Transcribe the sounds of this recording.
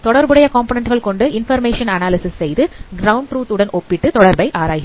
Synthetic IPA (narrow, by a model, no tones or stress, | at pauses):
t̪ɔɽɐɾbɯɽɐjɐkoːmpoːnɛɳʈɣɐɭkɔɳɖɯɪnfɐɾmeːʂɐnɐnaːlɪsɪssɛjðɯɡɾɐʊɳɖʈɾuːt̪ɯɽɐnʔɔpːɪʈːɯt̪ɔɽɐɾbɐɪʔaːɾaːjɪɪ